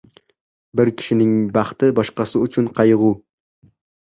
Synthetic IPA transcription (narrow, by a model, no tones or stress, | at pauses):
bɪɾkʲʰɪ̥ʃɪnɪŋbɑχt̪ɪbɒʃqɑsɪʊt͡ʃʰʊnqʰɑjʁu